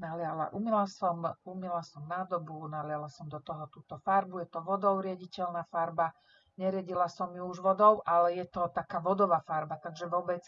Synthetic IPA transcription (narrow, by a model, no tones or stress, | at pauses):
naɦlɪala̰ʔumɛlasɔmumilasɔmnaːd̪ɔbunalɪalasɔmd̪ɔt̪ɔɦɔt̪uːt̪ɔfaɾbujɛt̪ɔʋɔd̪ɔʊɾɪaɟicɛlnafaɾba | ɲɛɾɪaɟilasɔmjuuʒʋɔd̪ɔʊʔalɛjɛt̪ɔt̪akaːʋɔd̪ɔʋafaɾbat̪aɡʒɛʋɔbɛt͡s